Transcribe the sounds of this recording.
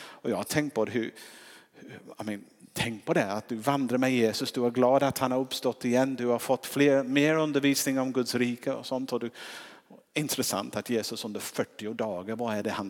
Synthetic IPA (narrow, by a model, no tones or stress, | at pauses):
ɔjɑːɡat̪ʰɛŋkt̪̚pʰɔɦʉɾhamɛnt̪ʰɛŋk̚pʰɔd̪ɛat̪̚d̪ɵvand̪ɾaɾmɛjeːsɵsd̪ɵæɾɡlɑːd̪at̪hanhaɾɵpst̪ɔt̪ːɪjɛnːd̪ɵhaɾfɔt̪ːfleːɾmeːɾɵnd̪əɾviːsnɪŋɾɔmɡɵd̪sɾiːkʰəɔ̰sɔnt̪ɔd̪ɛ | ɪnt̪ɾɛsa̰nt̪at̪jeːsɵsɵnd̪əɾfœʈːɪʊd̪ɑːɡəɾvaæɖɛhan